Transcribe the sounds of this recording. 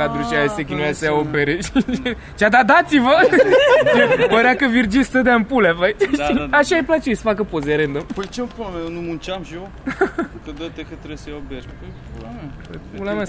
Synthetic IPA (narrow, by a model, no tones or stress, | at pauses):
ad̪ɾuʃaesekʲinujasəjaopeɾeʃ | t͡ʃad̪ad̪at̪sivə | əɾakəvird͡ʒist̪əd̪aɨmpulapajaʃaajplat͡ʃesə̥fakəpozeɾend̪ompəjt͡ʃepulamejonumunt͡ʃamʃo | kəd̪ət̪ekət̪ɾesəobeɾppulampəjpulama